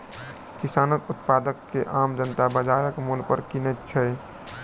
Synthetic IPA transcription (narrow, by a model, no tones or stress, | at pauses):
kisanət̪ut̪pad̪əkːeʔamd͡ʒənt̪abəd͡ʒaɾəkmulpəɾkinət̪̚t͡ʃʰɛ